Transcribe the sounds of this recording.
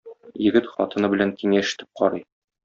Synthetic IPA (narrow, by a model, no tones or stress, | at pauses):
jɘ̆ɡɘt̪χɒt̪ɤ̆nɤbɘ̆læŋkiŋæɘ̆ʃɘ̥̆t̪ɘp̚qɒɾɤj